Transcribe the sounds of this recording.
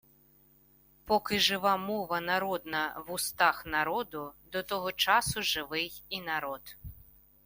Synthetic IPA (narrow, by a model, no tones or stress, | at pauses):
pɔkɪʐɨʋamɔʋɐnaɾɔd̪nɐwust̪axnaɾɔd̪ud̪ɔt̪ɔɦɔt͡ʂasuʐɨʋɪjinaɾɔt̪